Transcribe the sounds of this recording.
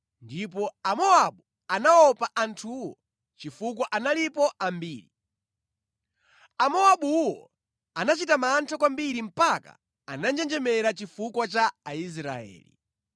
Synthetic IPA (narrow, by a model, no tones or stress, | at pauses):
ndip̬ɔamɔaɓu | anaɔpaʔantʰuwɔ | t͡ʃifuk̬ɔʔanalipɔambiːɾi | amɔaɓuwɔ̰ | anat͡ʃitamaːntʰakwambiɾim̩paka̰ | anand͡ʒɛnd͡ʒɛmɛɾat͡ʃifukwat͡ʃaːis̬ɾa̰ɛ̰ːlḭ